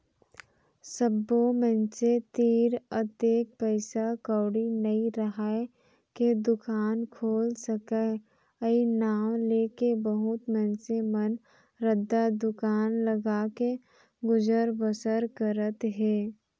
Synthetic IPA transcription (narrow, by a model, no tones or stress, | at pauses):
səbːomɛ̃nset̪iːɾət̪eːk̚pəɪsakəːɽinɐĩɾəɦaːe | ked̪ʊkaːnkʰoːlsəkɛ | əinaːwleːkebəɦʊt̪mɛ̃nsemən | ɾəd̪ːad̪ʊkaːnləɡaːke | ɡʊd͡ʒəɾbəsəɾkəɾət̪ɦɛː